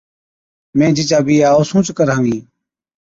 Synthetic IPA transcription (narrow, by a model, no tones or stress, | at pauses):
mẽːd͡ʒɪt͡ʃaːbiːaːoːsũːt͡ʃkəɾãːʋĩː